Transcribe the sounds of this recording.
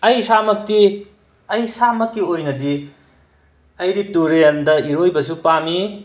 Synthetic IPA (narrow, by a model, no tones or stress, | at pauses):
ɐjsamɐkti | ɐjsamɐkːiojnɐdi | ɐjɾituɾendɐiɾojbɐsupami